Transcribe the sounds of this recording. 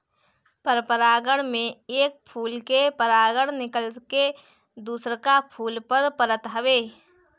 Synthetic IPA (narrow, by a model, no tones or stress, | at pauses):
pəɾpəɾaːɡəɽ̃mẽeːk̚pʰuːlkepəɾaːɡəɽ̃nɪkəlke | d̪uːsɾkapʰuːlpəɾpəɾət̪ɦəʋeː